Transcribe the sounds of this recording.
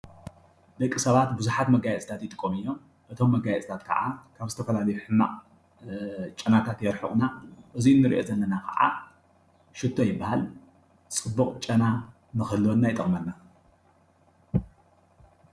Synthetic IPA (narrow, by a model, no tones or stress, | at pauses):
d̪ɐkʼːisɐβat̪bɨzuħat̪mɐɡajɛt͡sʼt̪ʰat̪jɪt̪ʼɨ̥kʼːomɨjːo̞m | ʔɨt̪ʰo̞mːɐɡajɛt͡sʼt̪ʰat̪̚kʰɐ̰ʔakʰaβzɨt̪ʰɐfɐlalɐjuħɨmːa̰ʔʼ | t͡ʃʼɐnat̪ʰat̪jɛɾħɨ̰χʼnaʔɨzinːɨɾḭʔo̞̰zɐlːɐnakʰɐ̰ʔa̰ | ʃɪt̪ʰːo̞jɪbːahal | t͡sʼɨbːuχʼt͡ʃʼɐna | nɨxɨlːonːajɪt̪ʼɐ̰χʼmɐlːa